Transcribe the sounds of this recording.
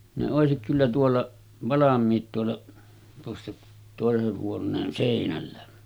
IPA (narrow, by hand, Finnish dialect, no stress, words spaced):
ne oˑesik kylːæ tuolːɑ ʋɑlɑmˑiːt tuolːɑ tuosːɑ toˑeseh huonˑeːn seˑinælːæ